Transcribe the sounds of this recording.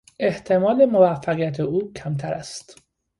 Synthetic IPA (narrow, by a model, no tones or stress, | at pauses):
ʔe̞ht̪ʰe̞mɒːle̞movæfːæɣijæt̪ʰeuːcʰæmt̪ʰæɾæst̪